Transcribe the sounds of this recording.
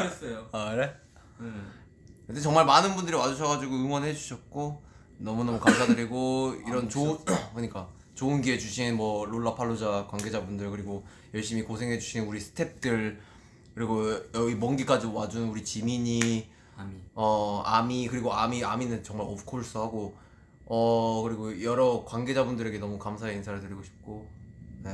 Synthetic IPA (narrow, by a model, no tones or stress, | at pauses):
s͈ʌjoɾe | kɯtet͡ɕʌŋmaɭmanɯnbundɯɾiwad͡ʑuɕʰʌɡad͡ʑiɡoɯŋwʌnɦed͡ʑuɕʰʌt̚k͈o | nʌmunʌmukamsʰadɯɾiɡoiɾʌnt͡ɕokoɲik͈a | t͡ɕoɯnɡie̞d͡ʑuɕʰinmwʌloɭːapʰaɭːod͡ʑakwaŋɡe̞d͡ʑabundɯɭkɯɾiɡo | jʌɭɕ͈imikosʰe̞ŋɦe̞d͡ʑuɕʰinuɾisʰɯ̥tʰe̞p̚t͈ɯɭ | kɯɾiɡojʌimʌnɡik͈ad͡ʑiwad͡ʑunnuɾit͡ɕimiɲi | ʌa̰mikɯɾiɡoamiaminɯnt͡ɕʌŋmaɾʌpkʰoɭs͈uɦaɡo | ʌkɯɾiɡojʌɾʌkwanɡe̞d͡ʑabundɯɾe̞ɡe̞nʌmukamsʰaeinsʰaɾɯɭtɯɾiɡoɕʰi̥p̚k͈one̞